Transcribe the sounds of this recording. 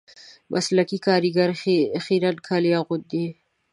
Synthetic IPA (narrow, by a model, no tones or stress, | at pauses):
bʔa̰slakikɑːɾiɡaɾxiɾankʰalijaɣʊt̪̚d̪i